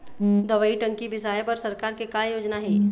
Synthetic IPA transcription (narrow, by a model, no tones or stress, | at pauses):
d̪ɐʋəiʈə̃ŋkibɪsaːjepɐɾsɐɾkaːɾkekajoːd͡ʒnaɦɛː